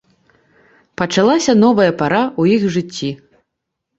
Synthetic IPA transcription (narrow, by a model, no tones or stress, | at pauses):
pɐt͡ʂalˠasʲɐnɔvɐjɐpaɾaujixʐɨt͡sʲːi